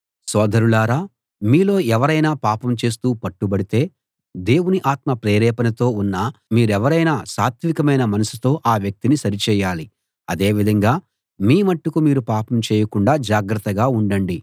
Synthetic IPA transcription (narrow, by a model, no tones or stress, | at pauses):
sɔːd̪ʱɐɾulaːɾaː | miːlo̞ːɛʋɐɾɐjnaːpaːpɐmt͡ʃe̞ːs̬t̪uːpɐʈːubɐɽit̪e̞ː | d̪e̞ːwuniʔaːt̪mɐpɾeːɾɛːpɐnɐt̪o̞ːunːaːmiːɾuɛʋɐɾɐjnaːsaːt̪ʋikɐmɐjnɐmɐnɐsu̥t̪o̞ːʔaːʋjɐk̚t̪inisɐɾit͡ʃɛːjaːli | ɐd̪e̞ːʋid̪ʱɐŋɡaː | miːmɐʈːukumiːɾupaːpɐmt͡ʃɛːjɐkuɳɖaːd͡ʒaːɡɾɐt̪ːɐɡaːuɳɖɐɳɖi